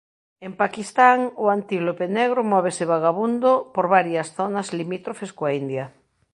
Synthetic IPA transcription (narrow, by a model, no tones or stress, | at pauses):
empakist̪aŋʊant̪iɣlopeneɣ̞ɾomɔβ̞esɪβaɣaβund̪opoɾβaɾjɐsθonazlimit̪ɾofeskoaind̪jɐ